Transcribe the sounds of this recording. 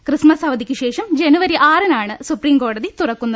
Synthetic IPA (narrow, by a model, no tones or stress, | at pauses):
krɨsmɐsɐʋɐd̪ikʲːɨɕe̞ːʂɐmd͡ʑenuʋɐɾiʔaːɾɐnaːɳɨsupriːmko̞ːɽɐðit̪urɐkːunːɐð